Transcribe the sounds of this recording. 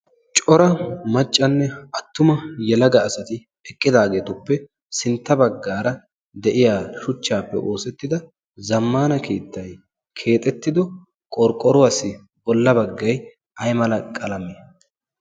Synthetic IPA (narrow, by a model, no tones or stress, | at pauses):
t͡ʃʼɔɾɐmɐt͡ʃʼːɐnːɛɐt̪ːʊmɐjɛlɐɡɐːsɐt̪ɪ | ɛkʼːɪd̪aːɡe̞ːt̪ʊpːɛ | sɪnt̪ːɐbɐɡːaːɾɐ | d̪ɛʔɪjaːʃʊt͡ʃːaːpːɛ̰ʔo̞ːsɛt̪ːɪd̪ɐ | zɐmːaːnɐkʰeːt̪ːɐj | kʰe̞ːt̪ʼɛt̪ːɪd̪ɔ | kʼɔɾkʼːɔɾʊwaːsɪ | bɔlːɐbɐɡːɐj | ɐjmɐlɐkʼɐlɐmeː